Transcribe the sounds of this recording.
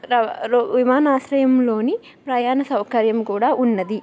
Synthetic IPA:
ɐɾʋimaːnaːsɾɐjɐmlo̞ːni | pɾɐjaːnɐsɐwkɐɾjɐmkuːɽaːʔunːɐd̪i

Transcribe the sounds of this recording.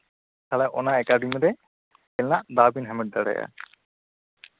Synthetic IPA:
kʰalaʔɔnaɛkaɖimiɾɛ | ɛlnaʔd̪abinɦɛmɛʈ̚d̪aɽɛ̰ja̰

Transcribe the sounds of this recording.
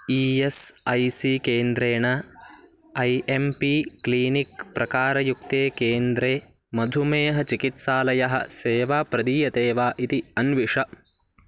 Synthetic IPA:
iːesɐjsiːkeːnd̪ɾeːɳɐ | ɐjʔempikliːnikpɾɐkaːɾɐjuk̚t̪eːkeːnd̪ɾeː | mɐd̪ʱumeːɦɐt͡ʃikit̪saːlɐjɐɦɐ̰̆seːʋaːpɾɐd̪iːjɐt̪eːʋaːʔit̪iɐnʋiʂɐ

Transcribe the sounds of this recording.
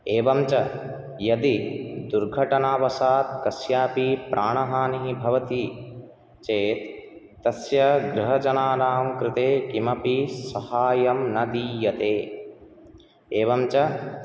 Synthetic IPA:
eːʋɐmt͡ʃɐ | jɐd̪id̪uɾɡʱɐʈɐnaːʋɐsaːt̪kɐsjaːpipɾʔaːɳɐɦaːniɦibʱɐʋɐt̪i | t͡ʃeːt̪ː | ɐsjɐɡɾɪɦɐd͡ʒɐnaːɾaːmkɾɪt̪eːkimɐpisɐhaːjɐmnɐd̪ijɐt̪eː | eːʋɐmt͡ʃɐ

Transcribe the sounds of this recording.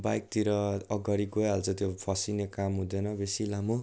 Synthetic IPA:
bajk̚t̪iɾʌʌɡʌɾiɡoɦalt͡sʰʌt̪jopʰʌsinekamɦũd̪ʌnʌbesilamu

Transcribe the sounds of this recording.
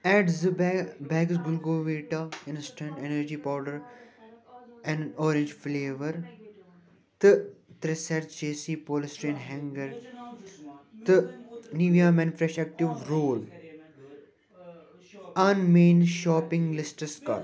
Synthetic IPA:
ɛːɖzəbɛːɡsɡʊlɡoːʋeːʈaɪ̃nsʈə̃ɳʈenəɾd͡ʒiːpaːʊʈəɾ | ɛ̃nɔːɾẽnd͡ʒfleːʋəɾ | t̪ɨt̪ɾɛsɛɾt͡ʃeːsipoːlsʈɾẽːnɦɛ̃ŋɡəɾ | t̪əniːʋjaːmɛ̃nfɾɛʃɛk̚ʈɪʋɾoːl | ɐnmẽːnʃɔːpɪ̃ŋɡlɪsʈəska̰

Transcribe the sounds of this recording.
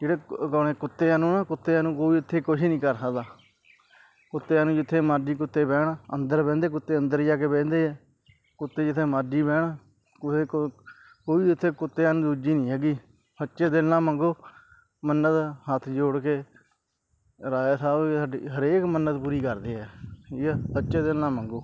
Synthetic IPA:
d͡ʒeːɽeːkoɳeːkʊt̪ːeːaːnũːnaːkʊt̪ːeːaːnũːkoːiːʊt̪ʰːeːkʊʃinĩːkəɾsəkd̪aː | kʊt̪ːeːaːnũːd͡ʒɪt̪ʰːeːmaːɖiːkʊt̪ːeːbɛːɽənd̪əɾbɛ̃ːnd̪eːkʊt̪ːeːənd̪əɾjaːkeːbɛ̃ːnd̪eːɛː | kʊt̪ːeːd͡ʒɪt̪ʰːeːmaːɖiːbɛːɳː | ke | koːiːʊt̪ʰːeːkʊt̪ːeːaːnũːd̪uːd͡ʒiːnĩːɦɛːɡiː | sətːʃeːd̪elnãːməŋɡoː | mənət̪hət̪ʰd͡ʒoːɽkeː | ɾaːeːsaːbsaːɖiːɦəɾeːkmənːət̪puːɾiːkəɾd̪eːɛːiːkɛːsətːʃeːd̪elnãːməŋɡoː

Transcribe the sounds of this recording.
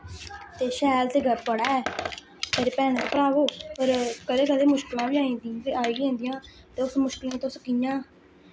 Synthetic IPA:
t̪eːʃɛːlt̪eːɡʱəɾpəɽaːɛː | pʰɪɾpɛːɳt̪oːpəɾaːʋoːpəɾkəleːkəleːmʊʃklãːʋiːaːĩːd̪iiːaːeːɡẽːnd̪ɪjãː | t̪eːʊsmʊʃkɪlãːt̪ʊskɪjãː

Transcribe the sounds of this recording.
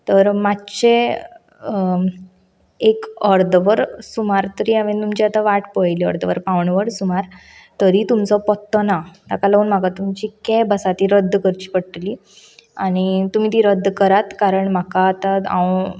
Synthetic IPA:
t̪əɾmatːt͡ɕe | ekəɾd̪ʋəɾsumaɾt̪əɾiaʋẽt̪umt͡ɕiat̪ãʋaʈpəjliəɾd̪ʋəɾpãʋɳʋəɽsumaɾ | t̪əɾit̪umt͡sɔpɔt̪ːɔnat̪akalauːnm̤akat̪umt͡ɕikɛbəsat̪iɾəd̪ʱːkəɾt͡ɕi̥pəɽʈli | aɽ̃it̪um̤iːt̪̬iɾəd̪ʱːkəɾat̪kaɾəɳm̤akaːt̪aã̰w

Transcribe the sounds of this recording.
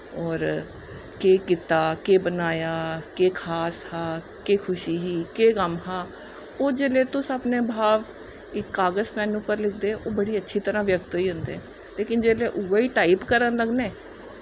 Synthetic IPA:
ɔːɾ | keːkɪt̪aːkeːbənaːjaːkeːkʰaːshaː | keːkʰʊʃiːɦiːkeːkəmɦaː | oːd͡ʒeːleːt̪ʊsapneːbʱaːʋ | ɪkːaːɡəsmɛ̃ːnũːpəɾlɪk̚ʰd̪eʔoːbəɽiːətːʃʰiːt̪əɾãːʋjək̚t̪ɦoːiːɦʊ̃nd̪ḛɛː | leːkɪnd͡ʒeːleːʔʊʋeiːʈaːipkəɾənləɡneː

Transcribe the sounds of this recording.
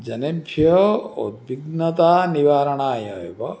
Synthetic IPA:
d͡ʒɐnebʱjɔod̪̚biɡnɐt̪aːniʋaːɾɐɳaːjɐːjubɐ

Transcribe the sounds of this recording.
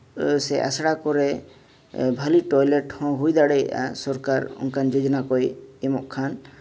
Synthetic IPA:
sɛʔa̰sɽakɔɾɛ | bʱaliʈɔjleʈhɔ̃ɦujd̪aɽeja̰sɔɾkaɾɔ̰ŋkand͡ʒod͡ʒɔnakɔjemɔʔkʰan

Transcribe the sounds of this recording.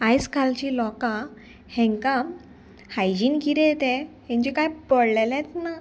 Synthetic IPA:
ajskalt͡ɕilɔkã | hɛ̃ŋkãm | hajd͡ʑinkiɾet̪ɛ̃hẽɲd͡ʑikajpəɽlelɛ̃t̪na

